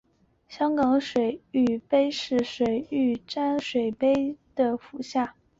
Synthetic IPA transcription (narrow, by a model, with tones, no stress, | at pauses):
ɕjɑ˥ŋkɑ˧˥ŋʂwe˨˩ɪy˨˩pe˥ɪʂɻ̩˥˩ʂwe˨˩ɪy˥˩ʈ͡ʂa˥nʂwe˨˩ɪpe˥ɪd̪̥ə˨fu˨˩˦ɕja˥˩